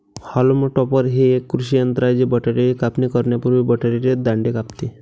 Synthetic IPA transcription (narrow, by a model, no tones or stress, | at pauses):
haloməʈɔpəɾɦeekːɾuʃijənt̪ɾajd͡ʑibəʈaɾiɾikapnikəɾɳjapuɾʋibəʈaɾiɾed̪aɳɖekapt̪i